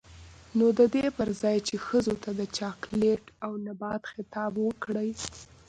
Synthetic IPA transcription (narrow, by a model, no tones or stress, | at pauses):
nod̪əd̪epəɾzɑjt͡ʃexəzot̪ad̪ət͡ʃɑkleʈawnabɑt̪xɪt̪ɑbwəkɽəj